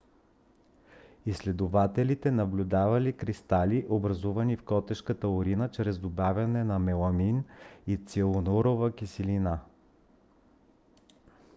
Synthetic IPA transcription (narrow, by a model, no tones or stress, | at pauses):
islɛd̪ʊvat̪ɛlit̪ɛnɐblʲud̪avɐlikɾist̪aliʔobɾɐzuvɐnifkɔt̪ɛʃkət̪əʊɾinət͡ʃɾɛzd̪obavʲɐnɛnɐmɛlˠɐminit̪silˠonoɾovəkisilina